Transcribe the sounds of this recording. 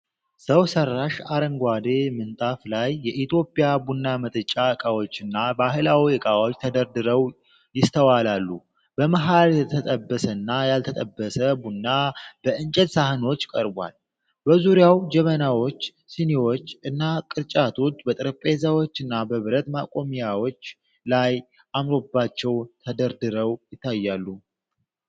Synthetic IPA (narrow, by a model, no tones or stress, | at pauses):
səwsərːaʃaɾəŋɡʷad̪emɨnt̪ʼaflajːɛʔit̪ʰjo̞pʼijabunːamət̪ʼɨt͡ʃʼakʼawo̞t͡ʃːɨnːabaɦɨlawiɛkʼawot͡ʃːt̪ʰəd̪əɾd̪ɨɾəw | jɪst̪ʰəwalalːu | bəmaɦalɛt̪ʰt̪ʰət̪ʼəbːəsənːajalt̪ʰət̪ʼəbːəsəbunːab̥əɨnt͡ʃʼɛd̪sahɨno̞t͡ʃːkʼəɾbwa̰l | bəzuɾjawd͡ʒɛmənawo̞t͡ʃː | sinewo̞t͡ʃːɨnːakʼɨɾt͡ʃʼat̪ʰo̞t͡ʃːbət̪ʼɨɾəpʼezawot͡ʃːɨnːabəβɨɾət̪makʼo̞mijawo̞t͡ʃː | laj | ʔamɾo̞bːat͡ʃːɛwt̪ʰəd̪əɾd̪ɨɾəwjɪt̪ʰːajːalːu